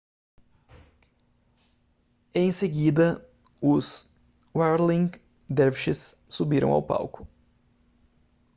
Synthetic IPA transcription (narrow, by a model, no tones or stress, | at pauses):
ẽj̃seɡid̪ɐ | ʊz | waɾlĩŋ | d̪ɛɾfʃɪssubiɾɐ̃w̃a̰wpa̰wkʊ̥